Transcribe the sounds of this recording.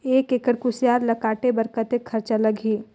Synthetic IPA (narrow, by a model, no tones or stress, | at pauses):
eːkekəɽkʊsjaːɾlɐkaːʈebɐɾkət̪ekʰːɐɾt͡ʃalɐɡʱiː